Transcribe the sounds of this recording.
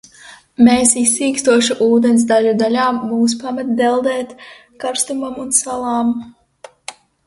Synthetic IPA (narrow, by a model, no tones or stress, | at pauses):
meːsisːiːkst̪uɔʃuʔuːd̪ɛns̬d̪aʎud̪alaːmːuːs̬pamat̪̚d̪ɛlˠd̪ɛːt̪ | kaɾst̪umamunsalˠaːm